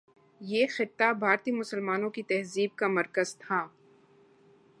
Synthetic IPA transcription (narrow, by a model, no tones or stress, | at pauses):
jeːxɪt̪ːabʱaːɾt̪imʊsəlmaːnõkit̪ɛɦziːb̚kamɐɾkəzt̪ʰaː